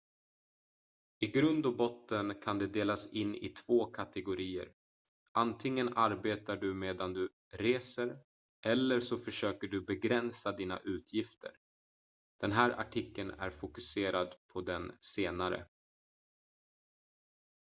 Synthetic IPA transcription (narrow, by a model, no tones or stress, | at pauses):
ɪɡɾɵnd̪ɔbɔt̪ːənkʰand̪ɛd̪eːlasɪnːʔɪ̰t̪ʰv̥oːkʰat̪ɛɡʊɾiːə̰ɾ | ʔant̪ʰɪŋːənʔaɾbeːt̪aɖɵmeːd̪and̪ɵ | ɾeːsəɾ | ʔɛlːəɾʂɔfœʂøːkəɖɵbɛɡɾɛnsad̪iːna̰ʔʉ̟ːt̪ʰjɪft̪ʰə̰ɾ | d̪̥ɛnɦæːɾʔa̰ʈʰɪkːənæ̰ɾfʊkɵseːɾad̪pʰɔd̪ɛnseːnaɾə̰